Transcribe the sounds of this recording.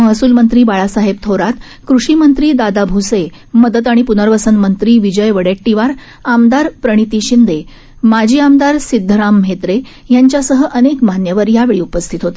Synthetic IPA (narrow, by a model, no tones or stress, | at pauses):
məɦəsuːlmənt̪ɾiːbaɭasaɦebt̪ʰoɾat̪ | kɾuʂimənt̪ɾiːd̪ad̪abʱuse | məd̪ət̪aɽ̃ipunəɾʋəsənmənt̪ɾiːʋid͡ʑəjʋəɽeʈːiʋaɾ | amd̪aɾpɾəɽ̃it̪iːɕind̪e | mad͡ʑʱiːamd̪aɾsid̪ʱːəɾam̤ːet̪ɾe | jaɲt͡ɕjasəɦəʔənekmanjəʋəɾjaʋeɭiupəst̪ʰit̪ɦot̪e̥